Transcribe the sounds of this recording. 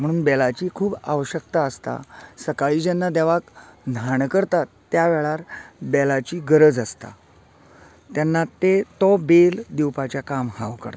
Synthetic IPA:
m̤əɽuːnbɛlat͡ɕiːkʰuːba̰ʋəɕək̚t̪aəst̪a̰səkaɭiːd͡ʑanːad̪ɛʋaknʱaɳkəɾt̪at̪ːjaʋɛɭaɾbɛlat͡ɕiːɡəɾəd͡zəst̪a̰ | t̪janːat̪et̪ɔbeld̪iwpat͡ɕjakamhãʋkə̰ɾt̪ḁ

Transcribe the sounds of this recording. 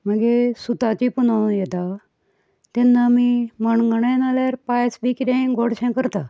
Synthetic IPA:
m̤əɡesut̪at͡ɕipunãjɛt̪a | t̪ɛnːamiməɳɡəɳəjnalaɾpajsbikiɾẽɡɔɽɕɛ̃kəɾt̪a

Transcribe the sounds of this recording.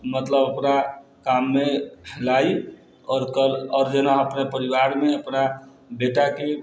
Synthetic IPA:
mət̪ləbokɾa | kamːelai | ɔːɾkəlɔːɾd͡ʒenaəpnepəɾiwaɾmeəpna | beʈake

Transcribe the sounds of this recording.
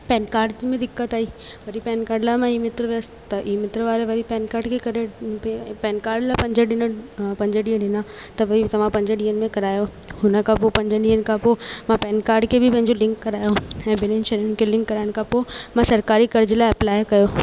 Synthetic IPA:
pɛːnkaːɾɖmẽd̪ɪkːət̪aːiːʋɐɾipɛːnkaːɾɖlamãiːmɪt̪ɾʋeəs | t̪ɐʔiːmɪt̪ɾʋaːɾeʋɐɾipɛːnkaːɾɖkʰekɐɾe | pɛːnkaːɾɖlapɐ̃ɲd͡ʑəɗɪnəpɐ̃ɲd͡ʑəɖiəɖɪnã | t̪ɐʋɐit̪ɐʋ̤ãpɐ̃ɲd͡ʑəɗĩːənɪ̆mẽkɐɾaːjo | hʊnəkʰãpopɐ̃ɲd͡ʑəɗĩːən̆kʰãpomãpɛːnkaːɾɖkʰebʱɪpɐ̃ɦɪ̃ɲd͡ʑolɪ̃ŋkːɐɾaːjoɛ̃ːbɪnenʃɐɾʊnkʰelɪ̃ŋkːɐɾaːɪɽ̃kʰãpomãsɐɾkaːɾikɐɾd͡ʑɪlaːɪɐplaːɪkɐjoː

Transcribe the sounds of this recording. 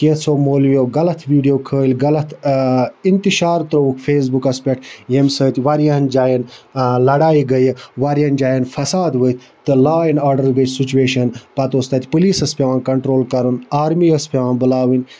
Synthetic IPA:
ket̪sʰoːmoːlmoːɡɐlɐt̪ʰʋiːɖijoːkʰəːlʲɡɐlɐt̪ʰ | int̪iʃaːɾt̪ɾoukfeːs̬bukɐspʲɐʈjemsəːt̪ʲʋɐɾijɐnd͡ʒaːjinlɐɽaːiɡɐjiʋɐɾjɐnd͡ʒaːjenfɐsaːd̪ʋət̪ʰʲ | t̪ɨlaːinaːɾɖəɾɡəsit͡ʃueːʃɐnpɐt̪oːst̪ɐt̪ʲpɨliːsɐspʲeʋaːnkɐɳʈɾoːlkɐɾunaːɾmiɐspʲeʋãːnbɨlaːʋinʲ

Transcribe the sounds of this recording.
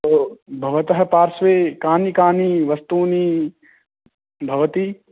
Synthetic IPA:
t̪obʱɐʋɐt̪ɐɦɐ̆paːɾsʋeːkaːnikaːniʋɐst̪uːni | bʱɐʋɐt̪i

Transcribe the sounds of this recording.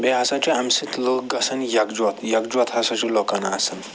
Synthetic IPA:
beɦɐsɐ̃t͡ʃuɐmsit̪loɡɐsɐnjɐkd͡ʒɐt̪ʰjɐkd͡ʒuɐt̪ɦɐsɐ̃t͡ʃulokɐnaɐsɐn

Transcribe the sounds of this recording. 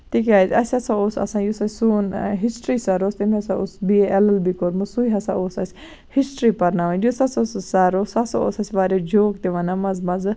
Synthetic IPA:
t̪ikaːt̪ʲɐsʲɐsãoːsɐ̰sãːjusɐsʲsuːnɦisʈɾiːsaɾoːst̪emiɦɐsãosbiɛlɐlbikoɾmusuiɦɐsãoːsɐsʲ | hisʈɾiːpɐɾnaʋɐnd͡ʒusɐsossaɾoːsɐsao̰ːsɐsʲʋaːɾed͡ʒoːk̚t̪eʋɐnamɐzmɐz

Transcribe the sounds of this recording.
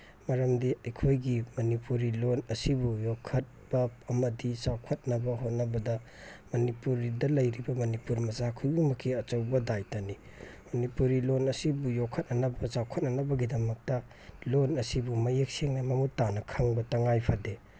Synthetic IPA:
mɐɾɐmdiɐjkʰojɡimɐnipuɾilonɐsibujokʰɐt̚b̥ɐːmɐdisawkʰɐt̚nɐbɐhot̚nɐbɐdɐ | mɐnipuɾidɐlɐjɾibɐmɐnipuɾmɐzakʰujumɐkʰiɐt͡ʃɐwbɐdajtɐni | mɐnipuɾilonɐsibujokʰːɐt̚nɐnɐbɐsawkʰɐt̚nɐnɐbɐɡidɐmɐk̚tɐ | lonɐsibumɐjek̚siŋnɐmɐmutːanɐkʰɐŋbɐtɐŋajpʰade

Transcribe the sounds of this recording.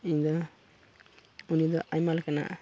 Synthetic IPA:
iɲd̪ɔ | unid̪ɔʔajmalkana̰

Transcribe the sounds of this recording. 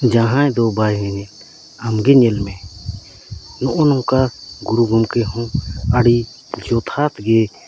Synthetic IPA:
d͡ʒãɦãɛ̃d̪ɔbajɦɛɲɛl | amɡɛɲɛlmɛ | nɔʔɔnɔ̃kaɡuɾuɡʱumkɛɦɔ̃aɽi | d͡ʒɔt̪ʰat̪ɡɛ

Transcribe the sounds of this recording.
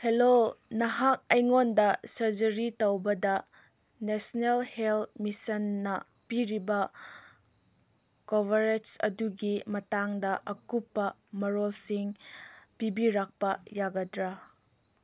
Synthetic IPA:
helonɐɦak̚ɐjŋondɐsɐɾd͡ʒɐɾitowbɐdɐ | nesnelheltmisɐnːɐ | piɾibɐ | kobeɾetsɐ̰duɡimɐtaŋdɐʔɐkupːɐmɐɾolsiŋpibiɾak̚pɐjaɡɐdɾa

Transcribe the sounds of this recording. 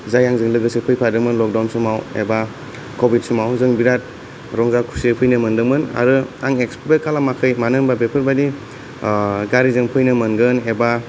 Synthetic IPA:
zajaŋzɯŋlɯɡɯsɯpʰɯjpʰadɯŋmɯnlɔk̚dawnsɯmawḛba | kʰobit̚sɯmawzɯŋbiɾat̚ | ɾɔŋzakʰu̥sepʰɯjnɯmɯndɯŋmɯna̰ɾɯaŋeksppekʰalamakʰɯjmanɯŋbabepʰɯɾbadi | ɡaɾizɯŋpʰɯjnɯmɯnɡɯneba

